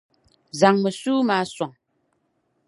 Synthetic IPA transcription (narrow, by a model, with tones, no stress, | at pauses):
za˨ŋmə˨suː˦ma˨˦swa˨ŋ